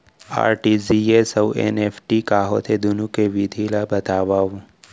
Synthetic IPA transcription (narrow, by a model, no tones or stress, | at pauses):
a̰ːɾʈiziesɐwḛnepʰʈikaːɦot̪ʰed̪ʊnukeʋid̪ʱilabɐt̪aːʋaːʋ